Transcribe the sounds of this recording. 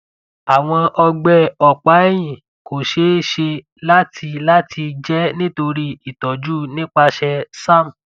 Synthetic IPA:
a˨w̃ɔ̃˧ʔɔ˧ɡ͡bɛ˧ɔ˨k͡pa˨˦jĩ˦˨ | ko˨ʃe˨˦ʃe˧ | la˦tʰi˧la˦tʰi˧d͡ʒɛ˦nĩ˦to˧ɾi˦i˨tɔ˨d͡ʒu˦nĩ˦k͡pa˧ʃɛ˧sã˦˨m˨

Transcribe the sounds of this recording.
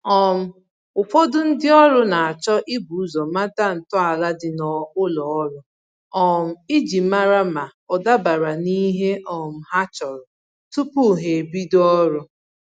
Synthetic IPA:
ɔ˦m̩˦ | ʊ˨fɔ˦dʊ˦n̩˦dɪ˦ɔ˦ɾʊ˦na˨a˨t͡ʃɔ˦ʔɪ˦bu˨˦zɔ˨ma˦ta˦n̩˨tɔ˦a˨la˦dɪ˨nɔ˨ʊ˦lɔ˨ɔ˦ɾʊ˦ | ɔ˦m̩˦˨i˦d͡ʒi˨ma˦ɾa˦ma˨ɔ˨da˦ba˨ɾa˨ni˦ɦe˦ʔɔ˨m̩˨ɦa˦t͡ʃɔ˨ɾʊ˨ | tu˦pu˦˨ɦe˨bi˦dɔ˦ɾʊ˦

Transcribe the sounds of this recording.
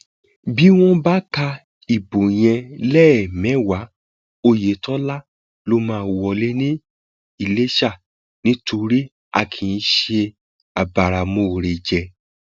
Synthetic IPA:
bi˦w̃ɔ̃˦ba˦ka˧ | i˨bo˨j̃ɛ̃˧lɛ˦ɛ˨mɛ̃˨˦wa˨˦ | o˧je˨˦tɔ˦la˦ | lo˧˦mãː˦˧˨wɔ˧le˦nĩ˦ | i˦˨le˦ʃa˦˨ | nĩ˦tʰo˧ɾi˦ | a̰˧kʰĩ˨˦ʃe˧ | a˨ba˨ɾa˨˧mõ˧˨ɾe˨d͡ʒɛ˧

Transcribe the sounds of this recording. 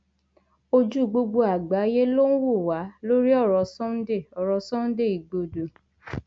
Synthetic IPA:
o˧d͡ʒu˦˨ɡ͡bo˧ɡ͡bo˧a˨ɡ͡ba˨˦je˦lo˦n̩˦wo˦˨wa˨˦lo˦ɾi˦ɔ˦˨ɾɔ˨˦sɔ̃˦n̩˦de˦˨ɔ˨ɾɔ˨˧sɔ̃˦n̩˦de˦˨i˨ɡ͡bo˧do˨

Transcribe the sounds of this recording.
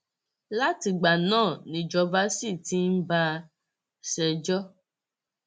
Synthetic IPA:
la˦ti˧ɡ͡ba˨nãː˦˨nĩ˨d͡ʒɔ˧va˦si˦˨ti˦n̩˦ba˦˧ | ʃɛ˧d͡ʒɔ˦

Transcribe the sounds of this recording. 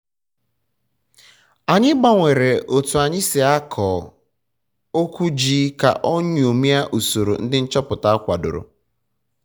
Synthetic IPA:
a˨ɲɪ˦ɡ͡ba˦˨ŋʷe˨ɾe˨ʔo˨tu˨a˨ɲɪ˦sɪ˨a˦kʰɔː˨ | o˦kʷu˦d͡ʒiː˦ka̰˨ʔo˦ɲ˨o˨mi˦a˦ʔu˨so˨ɾo̰˨n̩˦dɪ˦n̩˦t͡ʃɔ˦pʊ˨ta˦a˦kʷa˨dʊ̰˨ɾʊ̰˨

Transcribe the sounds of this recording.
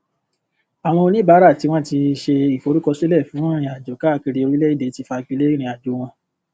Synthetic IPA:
a˨w̃ɔ̃˧o˧nĩ˦ba˨˦ɾa˦˨ti˨˦w̃ɔ̃˦ti˧ʃe˧i˨fo˨˧ɾu˦kɔ˧si˦lɛ˦˨fũ˨˦ɾ̃ĩ˧a˨d͡ʒo˨ka˦˧˨ki˧ɾi˧o˧ɾi˦lɛ˦i˦de˨˦ti˧fa˧i˧k͡pi˧˦le˦ɾ̃ĩ˧˦a˨d͡ʒo˨˦w̃ɔ̃˧

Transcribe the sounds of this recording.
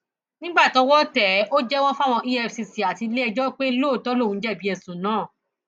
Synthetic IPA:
nĩ˦ɡ͡ba˦˨tɔ˨˦wɔ˦tɛ˨˦ʔo˦d͡ʒɛ˦w̃ɔ̃˦fa˦˨w̃ɔ̃˧ʔi˦ɛ˦˧fsi˧si˨a˨ti˧le˦ɛ˧d͡ʒɔ˦k͡pe˦e˦˧lo˦˨tɔ˨˦lo˦˨ũ˨˧˦d͡ʒɛ˦˨bi˦ɛ˧sũ˨nãː˨˦˨

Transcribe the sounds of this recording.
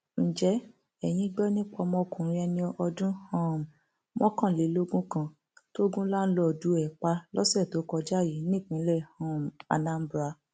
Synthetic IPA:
n̩˨d͡ʒɛ˨˦ | ɛ˨j̃ĩ˧˦ɡ͡bɛ˦nĩ˦k͡pɔ˧mɔ̃˧kũ˨ɾĩ˧˦ɛ˧nĩ˧ɔ˧dũ˦hã˦˨m˨ | mɔ̃˦kã˦˨le˨˦lo˦ɡũ˦kã˦ | to˦ɡũ˦la˦n̩˦lɔ˨du˨˦ɛ˨k͡pa˧lɔ˦sɛ˦˨to˨˦kɔ˧d͡ʒa˦˨ji˨˦nĩ˦˨k͡pĩ˨˦lɛ˦˨hã˦˨m˨a̰˨nã˦m̩˦bɾa˧˦

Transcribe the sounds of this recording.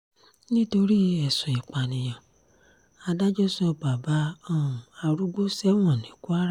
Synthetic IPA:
nĩ˦to˧ɾi˦ɛ˨sũ˨i˨k͡pa˨nĩ˨j̃ã˨ | a˧da˦d͡ʒɔ˦sɔ˧ba˨ba˦ɔ̃˦˨ũ˨a˧ɾu˦ɡ͡bo˦sɛ˦w̃ɔ̃˦˨nĩ˨˦ku˦a˦ɾ

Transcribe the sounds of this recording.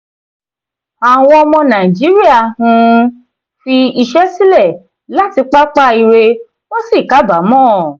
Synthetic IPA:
a˨w̃ɔ̃˧ɔ˧mɔ̃˧nã˨i˨d͡ʒi˨˦ɾi˦a˦˨hũ˧ | fi˧i˧ʃɛ˦si˦lɛ˦˨ | la˦˨ti˧k͡pa˦k͡pa˦i˧ɾe˧ | wo˦si˦˨ka˨˦ba˨˦mɔ̃ː˦˨

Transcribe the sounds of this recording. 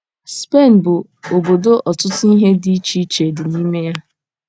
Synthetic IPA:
spe˦˨n˨bʊ˨ | o˨bo˨do˦ʔɔ˨tʊ˦tʊ˦i˦ɦe˦di˦t͡ʃi˦t͡ʃe˨dɪ˨ni˦me˦ja˦

